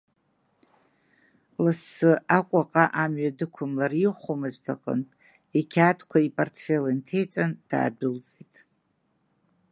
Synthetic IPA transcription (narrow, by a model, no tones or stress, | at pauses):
lɨsːɨʔakʷʼaqʼaʔamɥadɨkʷʰʊmlariχʷomɨztʰaqʼə̰n | ekʲʰatʰkʷʰaipʼortʰfelintʰejt͡sʼand̥a̰ːdʊlt͡sʼitʼ